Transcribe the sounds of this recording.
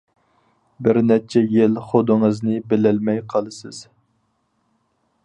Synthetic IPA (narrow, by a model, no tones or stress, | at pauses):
bɪɾnɛt͡ʃʰɛjelχod̪ɨŋɨznɨbɪlɪlmɛjqʰɑlˠɨsɨz̥